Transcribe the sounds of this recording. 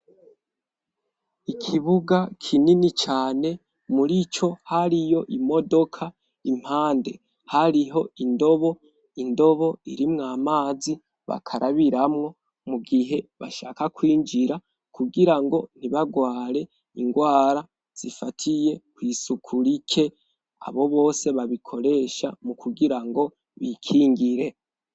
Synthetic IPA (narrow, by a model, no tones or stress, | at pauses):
ikʰiβuɡakʰininit͡ʃaːne̞ | muɾit͡ʃo̞haɾijo̞ʔimo̞do̞kʰa | im̥haːnde̞ | haɾiɦo̞indo̞βo | indo̞βo̞iɾimŋaːmaːzi | βa̰kʰaɾaβiɾamŋo̞ | muɡiɦe̞βaʃaːkakwiːnd͡ʒiɾa | kʰuɡiɾaŋɡo̞n̥iβaɡwaːɾe̞ | iŋɡwaːɾa | z̥ifatʰije̞kwiːsukʰuɾikʰe̞ | a̰βo̞βo̞ːse̞βaβikʰo̞ɾe̞ːʃa̰mukuɡiɾaŋɡo̞ | βikʰiːŋɡiɾe̞